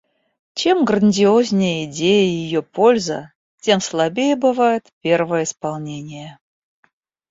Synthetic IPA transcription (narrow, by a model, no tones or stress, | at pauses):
t͡ɕemɡɾənʲdʲɪozʲnʲɪjəɪdʲejəjɪjopʰo̞lʲzə̰ | tʲe̞mslˠabʲejəbɨvajɪt̪pʲervəjəɪspɑlˠnʲenʲɪjə